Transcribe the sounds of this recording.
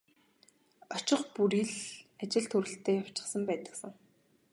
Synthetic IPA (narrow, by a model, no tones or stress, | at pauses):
ɔt͡ɕɪ̆χpuɾiːɮat͡ɕɪ̆ɮt̪ʰuɾɘ̆ɬt̪ʰeːjaw̥t͡ɕɪ̥̆χsə̆mpæːt̪ə̥̆ksə̆ŋ